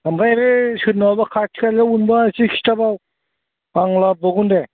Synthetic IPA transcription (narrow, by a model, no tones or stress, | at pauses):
amɡajɾesɯtnabakʰatʰi̥kalaunbasikʰi̥stabaw | aŋlabɔɡunde